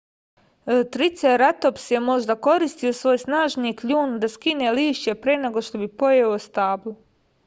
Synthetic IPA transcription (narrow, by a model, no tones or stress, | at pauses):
t̪ɾit̪seɾat̪opsjemo̞ʒd̪ako̞ɾist̪io̞sʋo̞ːjsnaːʒniːkʎuːnd̪askineliːʃt͡ɕe̞pɾene̞ɡo̞ʃt̪o̞bipo̞jeost̪aːblu